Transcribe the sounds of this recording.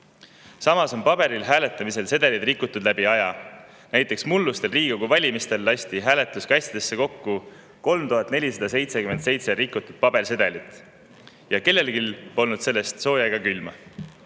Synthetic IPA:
sɑmɑso̞npɑb̥e̞ɾilɦæːle̞t̪ːˑɑmise̞lse̞d̪̥elid̪rikːˑut̪ːˑud̪̥læb̥iɑjɑ | næjt̪ːˑe̞ksmulːust̪e̞lriːɡ̥oɡuvɑlʲimist̪e̞lːɑsʲt̪iɦæːle̞t̪ˑːuskɑjst̪id̪̥e̞sːe̞ko̞kːu | ko̞lmt̪uɦɑt̪ːˑne̞lʲisɑd̪̥ɑse̞jt̪se̞kyment̪se̞jt̪se̞ɾikːut̪ːˑud̪̥̚pɑb̥e̞rse̞d̪̥elit̪ˑ | jɑke̞lːe̞lkilpo̞lnud̪̥se̞lːe̞st̪so̞ːjɑjɡ̥ɑkylmɑ

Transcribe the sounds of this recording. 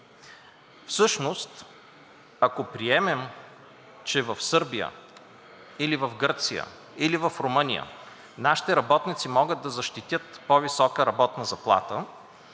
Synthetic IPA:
fsɤʃnost̪ | ɐkopɾiɛmɛm | t͡ʃɛvɐfsɤɾbijə̰ | ilivɐfɡɤɾt̪sijə̰ | ilivɐfɾomɤnʲḭjə̰ | naʃi̥t̪ɛɾɐbɔt̪nit̪simɔɡəd̪̚d̪ɐzɐʃt̪it̪ʲjət̪povisɔkəɾɐbɔt̪nəzɐplˠa̰t̪ə

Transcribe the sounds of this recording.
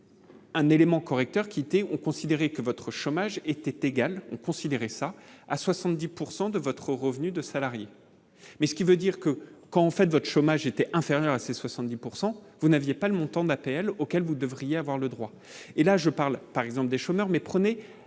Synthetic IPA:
ɛ̃nelemɑ̃kɔʁɛk̚t̪œʁkʲiet̪ɛɔ̃kɔ̃sid̪eʁɛkəvɔt̪χəʃomaʒet̪ɛt̪eɡalɔ̰̃kɔ̃sid̪eʁɛsaaswasɑ̃t̪̚d̪ipuʁsɑ̃d̪əvɔt̪χəʁəvnyd̪əsalaʁje | mɛsə̥kʲivød̪iʁkəkɑ̃ːfɛt̪vɔt̪χə̥ʃomaʒet̪ɛʔɛ̃feʁjœʁaseswasɑ̃t̪̚d̪ipuʁsɑ̃ | vunavjepaləmɔ̃t̪ɑ̃d̪apeɛlokʲɛlvud̪əvʁijeavwaʁləd̪ʁwa | elaʒəpaʁlpaʁɛɡzɑ̃pləd̪eʃomœʁmɛpχəne

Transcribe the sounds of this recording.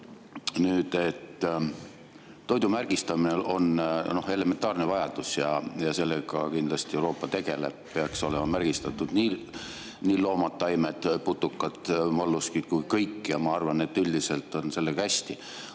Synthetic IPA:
nyːd̪̥e̞t̪ː | o̞jd̪umærɡ̥ist̪ɑmine̞o̞nno̞he̞le̞me̞nt̪ˑɑːrnevɑjɑd̪̥usjɑjɑse̞lːeɡɑkind̪lɑst̪iewɾo̞ːpːˑɑt̪e̞ɡe̞le̞̰b̥̚peɑkso̞lemɑmærɡ̥ist̪ɑt̪ːˑud̪̥niː | niːlo̞ːmɑt̪ːˑɑjmet̪ːˑput̪ːˑukːˑɑt̪ːˑmolːuskikujkɤjkːˑjɑmɑɑrvɑne̞t̪ːˑylʲd̪ise̞lt̪ːˑo̞nse̞lːeɡɑhæsʲt̪i

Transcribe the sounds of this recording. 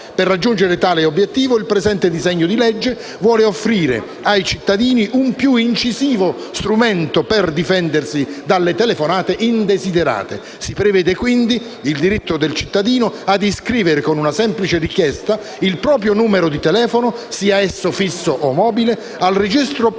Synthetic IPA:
perːad͡ʒːund͡ʒeɾet̪aːleobːjet̪ːiːvoilpɾɛzɛnt̪ed̪izɛɲːʊd̪ilɛd͡ʒːe | vwɔːleofːɾiːɾḛ | ajt͡ʃit̪ːad̪iːniʔumpjuint͡ʃiziːvo | st̪ɾumɛnt̪ʊperd̪ifɛnd̪ersid̪alːet̪ɛlefonaːt̪eʔind̪ezid̪eɾa̰ːt̪e | sipɾevɛːd̪ekwind̪i | ild̪iɾit̪ːod̪elt͡ʃi̥t̪ːad̪iːnoad̪iskɾiːveɾekonunasɛmplit͡ʃerikjɛst̪a | ilpɾɔːpɾjonuːmeɾod̪it̪ɛlɛːfonʊ | siːaɛsːofisːoʔomɔːbile | alred͡ʒist̪ɾo

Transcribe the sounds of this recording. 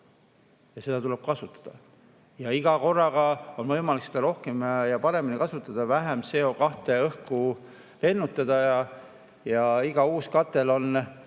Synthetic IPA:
jɑse̞d̪ɑt̪ulɛb̥̚kɑsut̪ːˑɑ̥d̪̥ɑ | jɑiɡ̥ɑko̞rːɑɡɑo̞nvɤjmɑliksed̪̥ɑɾo̞hkemjɑpɑɾe̞minikɑsut̪ːˑɑd̪̥ɑvæɦemse̞o̞kɑht̪e̞ɤhku | le̞nːut̪ːˑɑd̪̥ɑjɑ | jɑiɡ̥ɑuːskɑt̪ːˑe̞lo̞n

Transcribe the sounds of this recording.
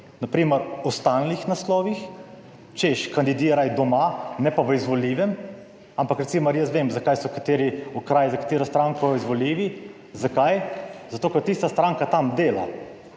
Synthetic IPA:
napɾiːməɾust̪alnixnaslɔːʋix | t͡ʃeʃkand̪id̪iːɾajd̪ɔmanɛpaʋəizʋɔliːʋɛm | ampakɾɛtsiməɾjəs̬ʋeːmzakajsɔkḁt̪eːɾiukɾaːjzakḁt̪eːɾɔst̪ɾaŋkɔjizʋɔliːʋi | zakajzat̪oːkɛɾt̪ist̪ast̪ɾaŋkat̪amd̪eːla

